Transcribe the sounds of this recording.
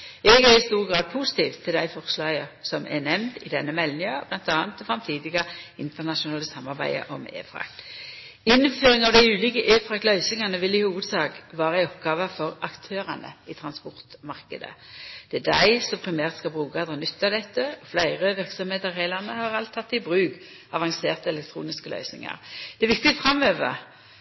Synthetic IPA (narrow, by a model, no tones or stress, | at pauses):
ɛɡæʁɪst̪uːʁɡʁɑːd̪̚pʰuːsɪ̥t̪ʰiːʋt̪ʰːɪld̪æɪfɔʁslɑːɡəsɔmʔɛ̰nɛmnd̪ɪd̪ɛnːəmɛlnɪɑb̥lɑnt̪ɑːnt̪ɔfʁɑmt̪ʰiːd̪ɪɡɑɪnt̪ənɑʃʊnɑːləsɑmːɑʁbæ̰ɪə̰ʔɔmḛːfɾɑ̰k | ɪnːføːʁɪŋɑʋd̪æɪʉːlɪːkəʔeːfɾɑklœʏsɪŋɑnəʋɪlːɪhuːʋəd̪sɑːkʋɑːʁæɪɔpɡɑːʋəfɔʁɑkt̪ʰøːʁɑnə̰iːt̪ʰʁɑnspɔʁt̪mɑʁkəd̪ə̰d̪̥ɛæd̪æɪsɔmpʰɾɪmæːʁt̪skɑlbʁʉːkɑɑd̪ɑnʏt̪ːɑd̪ɛt̪ːəɔflæɪʁəʋɪʁksɔmheːt̪əʁheːlɑʁnəhɑʁɑlt̪ʰːɑt̪ːɪbʁʉːɡ | ɑʋɑŋseːʁt̪əɛlɛk̚t̪ʰɾṵːnɪskəlœ̰ʏsnɪ̰ŋɑ̰ʁd̪̥ɛæʋɪk̚t̪ɪt̪fʁɑmøːʋə̰